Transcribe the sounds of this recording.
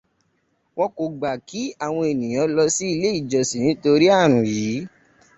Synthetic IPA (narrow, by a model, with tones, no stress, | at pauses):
wɔ̃˦ko˨ɡ͡ba˨ki˨˦a˦˨w̃ɔ̃˧e˨nĩ˨j̃ã˨˦lɔ˧si˦i˧le˦i˦˨d͡ʒɔ˨si˨nĩ˨˦to˧ɾi˦a˦˨ɾ̃ũ˨jiː˨˦